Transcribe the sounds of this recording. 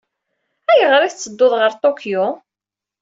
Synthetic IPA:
æjəʁɾiθt͡sːəd̪ːoðˤʁəɾt̪ˤokjo

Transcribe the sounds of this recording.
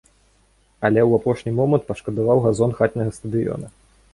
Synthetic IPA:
ɐlʲɛwapɔʂnʲimɔmɐnt̪̚pɐʂkɐd̪avawɣazɔnxat̪ʲnʲɐɣɐst̪ɐd̪ɨjɔ̰nɐ

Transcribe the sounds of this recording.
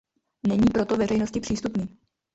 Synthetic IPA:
nɛɲiːpɾo̞t̪o̞vɛr̝ɛjno̞scɪpr̥iːst̪upniː

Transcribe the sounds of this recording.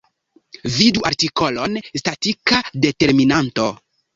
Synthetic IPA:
viduʔaɾtiko̞lo̞nstatikade̞te̞ɾminanto̞

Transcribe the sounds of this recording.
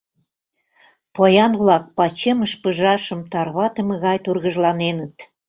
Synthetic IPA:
pojɑnβlɑk̚pɑt͡ɕeməʃpəʒɑʃə̆mt̪ɑrβɑt̪ə̆mə̆ɣɑjt̪urɣəʒlɑnenət̪

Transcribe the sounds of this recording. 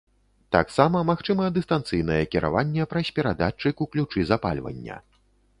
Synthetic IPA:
t̪a̰ksamɐmaxt͡ʂɨmɐd̪ɨst̪ant̪sɨjnɐjɛkʲiɾʔa̰vanʲːɛpɾɐsʲpʲɛɾad̪at͡ʂːɨkuklʲut͡ʂɨzapa̰lʲvɐ̰nʲːɐ̰

